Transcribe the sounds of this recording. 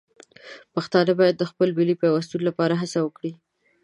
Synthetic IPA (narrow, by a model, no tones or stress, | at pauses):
paxt̪ɑnabɑjad̪̚ːəxpəlbilipəjawast̪unlapɑɾaɦasawəkɽi